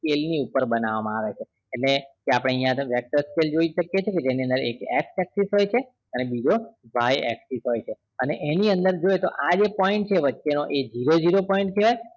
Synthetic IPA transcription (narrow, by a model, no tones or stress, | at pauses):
skelniupəɾbənaʋamãaʋet͡ʃʰeː | nekeapɽ̃eijãʋɛk̚ʈəɾskeld͡ʒoiʃəkjet͡ʃʰeked͡ʒeniənd̪əɾḛkɛ̰ksɛksisɦojt͡ʃʰe | ənebid͡ʒoʋʱajɛ̰ksisɦojt͡ʃʰe | əneʔeniənd̪əɾd͡ʒoet̪oʔad͡ʒepɔĩɳʈ̚t͡ʃʰeʋətːʃenoʔed͡ʒiɾod͡ʒiɾopɔĩɳʈ̚k̪ʰeʋaj